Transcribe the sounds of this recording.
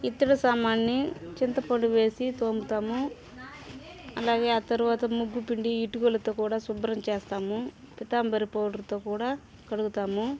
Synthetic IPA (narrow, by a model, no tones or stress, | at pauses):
it̪ːɐɽɐsaːmaːnːit͡ʃint̪ɐpɐɳɖuʋe̞ːsit̪o̞ːmbut̪aːmu | ɐlaːɡeːaːt̪ɐɾuʋaːt̪ɐmuɡːupiɳɖiːʈuɡoːlɐt̪o̞ːkuːɽaːsubɾɐmt͡ʃeːst̪aːmu | pit̪aːmbɐɾipoːʈlɐt̪o̞ːkuːɽaː | kɐɽuɡut̪aːmu